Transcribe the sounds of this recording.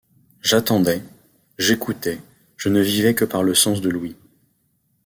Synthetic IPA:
ʒat̪ɑ̃d̪ɛ | ʒekut̪ɛ | ʒ̥ənəvivɛkəpaʁləsɑ̃s̬d̪əlwi

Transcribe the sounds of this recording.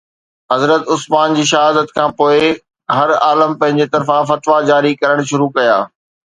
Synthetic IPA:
ɦɐzɾət̪ʊsmaːnd͡ʑiːʃɐɦaːd̪ət̪kʰãːpoːɪ | ɦɐɾaːləmpɐ̃ɦɪ̃ɲd͡ʑet̪ɐɾfãfɐt̪ʋad͡ʑaːɾikɐɾəɽ̃ʃʊɾukɐja̰ː

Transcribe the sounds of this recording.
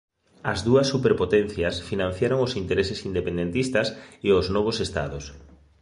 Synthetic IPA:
ɐzðuɐsːupeɾpot̪ɛn̟θjasfinãn̟θjaɾoŋosint̪eɾesesind̪epẽnd̪ent̪ist̪ɐseoznɔβ̞osest̪a̰ðos

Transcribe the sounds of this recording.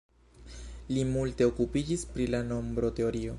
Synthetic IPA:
limulte̞o̞kupid͡ʒispɾilano̞mbɾo̞te̞o̞ɾio̞

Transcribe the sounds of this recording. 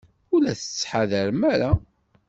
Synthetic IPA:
ulæθə̥t͡sːħaðəɾmæɾa

